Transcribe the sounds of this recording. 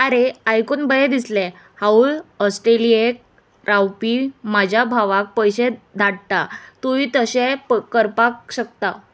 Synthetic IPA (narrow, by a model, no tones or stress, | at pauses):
aɾeajkonbəjed̪islẽ | hauləsʈɾeliek̚ | ɾawpimad͡ʑʱjabʱaʋak̚pəjɕed̪ʱaɽt̪at̪uʋiːt̪əɕekəɾpakɕək̚t̪a